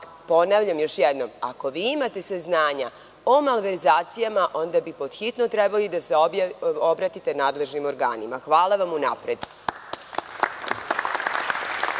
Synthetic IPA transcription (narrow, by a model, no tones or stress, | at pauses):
po̞naʋʎamjo̞ʃjed̪no̞ma̰ko̞ʋiːimat̪e̞saznaːɲa | omalʋeɾzaːt̪sijamaʔo̞nd̪abipo̞d̪̥xit̪not̪ɾebalid̪aseobɾat̪it̪e̞naːd̪le̞ʒnimo̞ɾɡa̰ːnimaxʋaːlˠaʋamunapɾed̪